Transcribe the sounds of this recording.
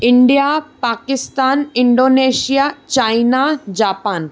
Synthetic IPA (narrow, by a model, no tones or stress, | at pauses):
ɪ̃ɳɖijapaːkɪst̪aːnɪ̃ɳɖoːneːʃijat͡ɕaːinad͡ʑaːpaːn